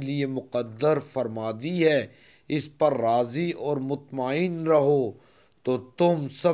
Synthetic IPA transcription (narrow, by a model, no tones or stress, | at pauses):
liemʊqəd̪ːəɾfɐɾmaːd̪iɦɛː | ɪspɐɾːaːziɔːɾmʊt̪maːɪnɾɐɦo | t̪oːt̪ʊmsɐ